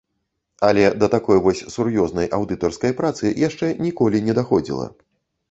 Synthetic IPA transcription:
ɐlʲɛd̪ɐt̪akɔjvɔsʲsurjɔznɐjʔawd̪ɨt̪ɔrskɐjpɾat̪sɨjaʂt͡ʂɛnʲikɔlʲinʲɛd̪axɔd͡zʲḭlˠɐ̰

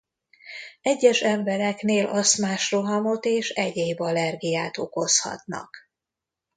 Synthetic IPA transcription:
ɛɟːɛʃɛɱbɛɾɛkneːlʔɒst̪maːʃroɦɒmo̞t̪eːʃɛɟeːbɒlɛrɡijaːt̪o̞ko̞shɒ̰t̪nɒ̰k

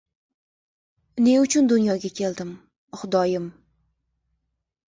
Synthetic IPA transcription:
ne̞ʊt͡ʃʰʊnd̪ʊnjɒɡʲakʲʰe̞ld̪ɪm | χʊd̪ɒjɪm

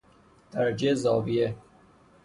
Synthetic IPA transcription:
t̪aɾd͡ʒezɑːvije

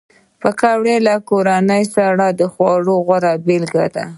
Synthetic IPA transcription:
pəkawɽelakoɾanəjsaɽad̪əxwɑɽoɣwaɾabelɡad̪a̰

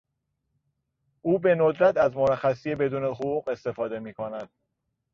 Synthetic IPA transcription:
ʔuːbe̞nod̪ɾæt̪ʰæzmoɾæxæsije̞be̞d̪uːne̞ɦoʁuːɣe̞st̪e̞fɒːd̪e̞miːkʰonæd̪̥

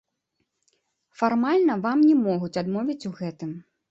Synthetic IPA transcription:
farmalʲnɐvamnʲɛmɔɣut͡sʲad̪mɔvʲit͡sʲuɣɛt̪ɨm

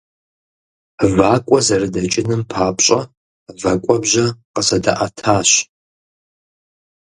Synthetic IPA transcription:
vaːkʷʼɔzɐrɨdɐt͡ʃʼɪnɨmpʰaːpʼɕʼɐ | vɐkʷʼɔbʑɐqəsɐdɐʔɐtʰaːɕ

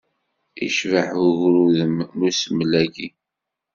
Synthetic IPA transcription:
ḭʃvəħʊʝɾuðəmmusəmlæɡi

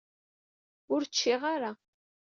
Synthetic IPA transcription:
ʊɾt͡ʃːiʁaɾa

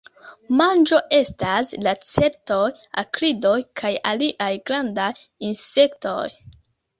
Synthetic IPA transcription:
mand͡ʒo̞ʔe̞staslat͡se̞p̚to̞j | a̰kɾido̞jkʰajaliʔajɡɾandajinse̞kto̞̰j

